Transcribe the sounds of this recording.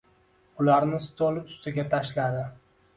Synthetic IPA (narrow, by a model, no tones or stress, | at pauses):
ʊlaɾnɪst̪ʰolˠʊst̪ɪɡʲat̪ʰaʃlad̪ɪ